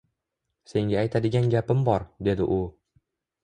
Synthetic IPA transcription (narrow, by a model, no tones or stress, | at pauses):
se̞ŋɡʲaːjt̪ʰad̪ɪɡʲanɡʲapɪmbɒɾd̪e̞d̪ɪ̰ʔʊ